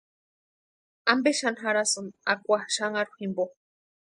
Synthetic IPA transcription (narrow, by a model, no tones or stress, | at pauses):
ambeʃanɦaɾasɨnakʷaʃaŋaɾuhimbo